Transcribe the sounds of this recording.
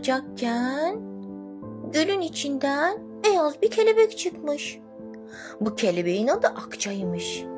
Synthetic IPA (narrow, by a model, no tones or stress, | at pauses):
d͡ʒak̚cʰæn | ɟølʲynit͡ʃʰind̪æn | bejazbicʰelʲebɛct͡ʃʰɯkmɯʃ | bucʰelʲebe̞jinad̪ɯʔakt͡ʃʰajɯmɯʃ